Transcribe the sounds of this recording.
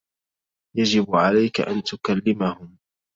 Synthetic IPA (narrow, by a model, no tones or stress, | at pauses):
jad͡ʒɪbʕalajka̰ʔa̰nt̪ʊkalːɪmahʊm